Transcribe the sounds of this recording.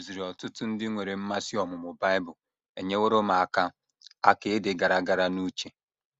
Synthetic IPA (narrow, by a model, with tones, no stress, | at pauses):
zi˨ɾɔ˨tʊ˦tʊ˦n̩˦dɪ˦ŋʷe˨ɾe˨m̩˦ma˦si˦ɔ˨mʊ˨mʊ˨ba˦ɪ˦bʊ˨ | e˨ɲe˦wo˦ɾʊ˦ma˨a˨ka˦ | a˦kɪ˨ɪ˦dɪ˨ɡa˨ɾa˨ɡa˨ɾa˨nu˦t͡ʃe˨